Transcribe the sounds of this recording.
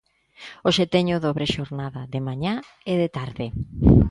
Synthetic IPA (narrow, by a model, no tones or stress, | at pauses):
oʃet̪eɲʊðoβɾeʃoɾnaðɐðemaɲa | eðet̪aɾðɪ